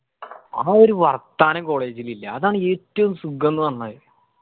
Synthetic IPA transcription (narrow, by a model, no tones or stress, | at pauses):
aːo̞ɾuʋɐrt̪ːaːnɐko̞ːɭe̞ːd͡ʑililːɐːðaːɳɨe̞ːtːɐʋumsuɡʱːɐnːunɐnːɐðɨ